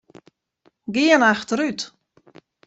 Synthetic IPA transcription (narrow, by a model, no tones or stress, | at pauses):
ɡiənaxtəɾyt